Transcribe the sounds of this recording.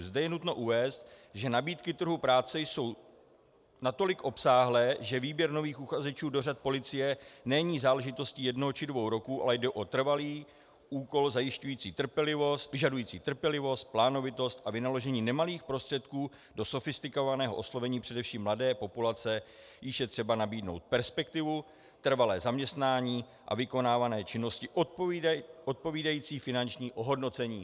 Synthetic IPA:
zdɛjɛnut̪no̞ʔuvɛːst̪ | ʒɛnabiːt̪kɪt̪r̩ɦupɾaːt͡sɛjso̞w | nat̪o̞lɪkʔo̞psaːɦlɛːʒɛviːbjɛɾno̞viːxuxazɛt͡ʃuːdo̞r̝at̪̚po̞lɪt͡sɪjɛnɛɲiːzaːlɛʒɪt̪o̞sciːjɛdnoɦot͡ʃɪdvo̞wɾo̞kuːʔa̰lɛjdɛʔo̞t̪r̩valiː | ʔuːko̞lzajɪʃcujiːt͡siːt̪r̩pjɛlɪvo̞st̪vɪʒadujiːt͡siːt̪r̩pjɛlɪvo̞st̪̚plaːno̞vɪt̪o̞st̪ʔavɪnalo̞ʒɛɲiːnɛmaliːxpɾo̞st̪r̥ɛt̪kuː | do̞so̞fɪst̪ɪkovanɛːɦoʔo̞slo̞vɛɲiːpr̥ɛdɛfʃiːmːladɛːpo̞pulat͡sɛ | jɪʃjɛt̪r̝̥ɛbanabiːdno̞̰wt̪̚pɛɾspɛk̚t̪ɪvu | t̪r̩valɛːzamɲɛst̪naːɲiː | ʔa̰vɪko̞naːvanɛːt͡ʃɪno̞scɪʔ | ʔot̪̚po̞viːdajiːt͡siːfɪnant͡ʃɲiːʔo̞ɦo̞dnot͡sɛɲiː

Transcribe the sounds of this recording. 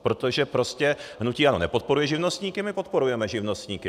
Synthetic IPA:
pɾo̞t̪oʒɛpɾo̞scɛɦnuciːʔano̞nɛpo̞t̪̚po̞ɾujɛʒɪvnost̪ɲiːkɪmɪpo̞t̪̚po̞ɾujɛmɛʒɪvno̞st̪ɲiːkɪ

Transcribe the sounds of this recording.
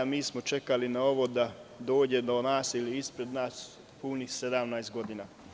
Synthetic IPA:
miːsmo̞t͡ʃe̞kalinao̞ʋo̞d̪ad̪o̞ːd͡ʑe̞d̪o̞naːsiliispɾe̞d̪naːs | puːnixsed̪amnajest̪ɡo̞d̪ina

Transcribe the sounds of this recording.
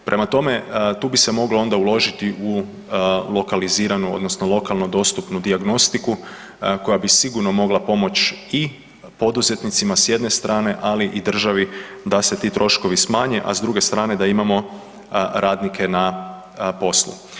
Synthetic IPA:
pɾʔe̞mat̪o̞me̞t̪uːbise̞mo̞ɡloo̞nd̪aulˠo̞ʒit̪iʔu | lˠo̞kaliziːɾanuo̞̰d̪no̞snolˠo̞kalˠnod̪o̞st̪upnud̪iaɡno̞st̪iku | ko̞jabisiɡuɾno̞mo̞ɡlapo̞mo̞t͡ʃi | po̞d̪uze̞t̪nit̪simasje̞d̪ne̞st̪ɾaːne̞ʔaliʔid̪r̩ʒaʋid̪ase̞t̪iːt̪ɾo̞ʃko̞ʋismaːɲeʔa̰zd̪ɾuɡe̞st̪ɾaːne̞d̪aimamo̞ | ɾaːd̪nikʰe̞na | po̞slˠṵ

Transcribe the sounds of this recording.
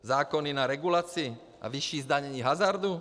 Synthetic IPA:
zaːkɔninaɾɛɡulaːt͡si | ʔa̰ʋiʃjiːzd̪aɲɛɲiːɦazaɾd̪u

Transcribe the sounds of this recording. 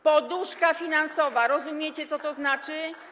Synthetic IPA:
pɔd̪uʂkafʲinansɔvaɾɔzumʲjet͡ɕɛt̪sɔt̪ɔznat͡ʂɘ

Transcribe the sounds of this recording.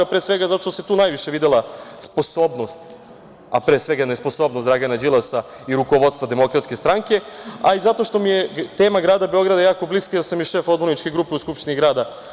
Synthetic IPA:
apɾeːsʋe̞ɡazat̪o̥ʃt̪oset̪uːnajʋiʃeʋid̪elˠaspo̞so̞ːbno̞st̪ | a̰pɾeːsʋe̞ɡajenespo̞so̞bnosɾaɡanad͡ʑilˠasa | iɾukoʋod̪st̪vad̪e̞mo̞kɾat̪ske̞st̪ɾaŋke̞aizat̪o̞ʃt̪o̞mijet̪e̞ːmaɡɾaːd̪abeo̞ɡɾad̪ajaːko̞bliskajalsamjiʃe̞fo̞d̪bo̞ɾnit͡ʃkeɡɾuːpe̞uskupʃt̪iniɡɾaːd̪a

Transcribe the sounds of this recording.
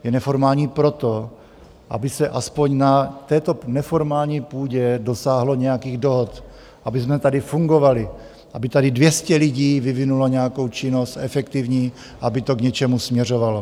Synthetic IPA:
jɛnɛfoɾmaːlɲiːpɾo̞t̪o | ʔa̰bɪsɛʔaspoɲnat̪ɛːt̪o̞nɛfoɾmaːlɲiːpuːɟɛdo̞saːɦlo̞ɲɛjakiːɣdoɦot̪ | ʔabɪzmɛt̪adɪfuŋɡo̞valɪ | ʔabɪt̪adɪdvjɛscɛlɪɟiːvɪvɪnuloɲɛjako̞wt͡ʃɪno̞st̪ʔɛfɛkt̪ivɲiː | aabɪt̪oɡɲɛt͡ʃɛmusmɲɛro̞valo

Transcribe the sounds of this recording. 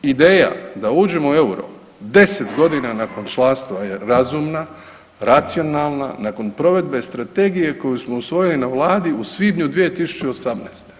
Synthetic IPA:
id̪e̞ːja̰d̪auːd͡ʑe̞moeuɾo̰ | d̪e̞set̪ɡo̞d̪inanako̞nt͡ʃlˠanst̪ʋajeɾazumna | ɾat̪sio̞nalˠna̰nako̞npɾo̞ʋe̞d̪be̞st̪ɾat̪e̞ːɡije̞ko̞jusmo̞usʋo̞jilinaʋlˠaːd̪iusʋiːbɲud̪ʋije̞t̪isu̥t͡ɕeo̞samnest̪e̥

